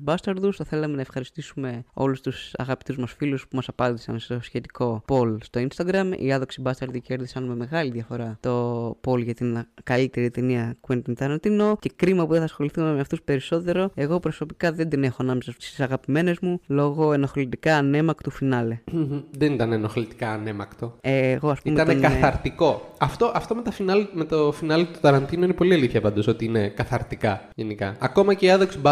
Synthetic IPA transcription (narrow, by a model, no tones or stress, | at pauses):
bɐst̪ɐɾðust̪ɐθe̞lɐmenɐefxɐɾist̪isume̞o̞̰lust̪usɐ̰ɣɐpi̥t̪uzmɐsfiluspumɐsɐpɐnd̪isɐnst̪o̞sçe̞t̪i̥ko̞po̞lst̪o̞inst̪ɐɡɾɐmḭɐðoksibɐst̪ɐɾðuceɾðisɐnme̞me̞ɣɐliðjɐfo̞ɾɐt̪o̞po̞lʝɐt̪inkɐlit̪e̞ɾit̪eniɐkuent̪int̪eɾnɐt̪ino̞ce̞kɾimɐpuðeθɐsxo̞liθume̞meɐft̪uspe̞ɾiso̞t̪e̞ɾo̞e̞ɣo̞pɾo̞so̞pikɐðe̞nd̪ine̞xo̞ɐnɐmesɐsst̪i̥sɐɣɐpime̞ne̞zmulo̞ɣo̞enoxlit̪ikɐːne̞mɐkt̪ufinɐleðenit̪ɐnenoxlit̪i̥kɐːne̞mɐkt̪o̞eɣo̞ɐspumeɐnekɐɐɾt̪iko̞ɐft̪o̞ʔɐft̪o̞met̪ɐfinɐleme̞t̪ofinɐlet̪u̥t̪ɐɾɐnt̪inoinepo̞liɐliθçɐpɐnd̪oso̞t̪iine̞kɐθɐɾt̪ikɐʝe̞nikɐ̰ɐko̞mɐceiɐðoksbɐ